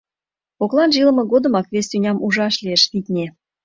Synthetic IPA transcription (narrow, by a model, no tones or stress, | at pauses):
oklˠɑnʒilə̆mɤ̆ɣod̪ə̆mɑkβest̪ʲynʲɑmuʒɑʃlʲieʃt̪it̪ʲnʲe